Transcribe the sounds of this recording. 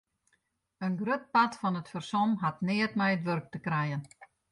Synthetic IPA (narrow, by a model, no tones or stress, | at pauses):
ənɡrøt̚patfɔnətfərsɔmɦatnɪətmɛjətʋørk̚təkrɛjən